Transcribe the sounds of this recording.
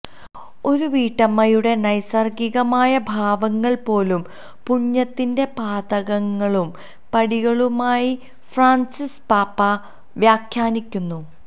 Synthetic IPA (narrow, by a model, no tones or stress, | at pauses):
o̞ɾuʋiːʈːɐmːɐjuɽe̞nɐjsɐrɡiɣɐmaːjɐbʱaːʋɐŋːɐɭpo̞ːlum | puɲːɐt̪ːinde̞paːd̪ɐɣɐŋːɐɭum | pɐɽiɣɐɭumaːji | fraːnsispaːpːɐ | ʋjaːkʰjaːnikʲːunːu